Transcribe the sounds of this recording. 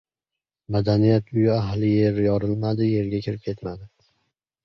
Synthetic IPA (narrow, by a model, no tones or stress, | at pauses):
mad̪anijat̪ʰʊjɪaɦlɪje̞ɾjɒɾɪlmad̪ɪje̞ɾɡʲakʲʰɪɾɪp̚kʲʰe̞t̪mad̪ɪ